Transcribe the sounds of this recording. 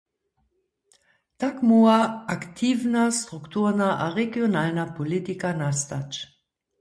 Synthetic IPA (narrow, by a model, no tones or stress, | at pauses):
takmuaaktʰiːvnast̪ʁ̥uktuʁnaʔaʁeɡjonalnapolitikanastat͡ʃ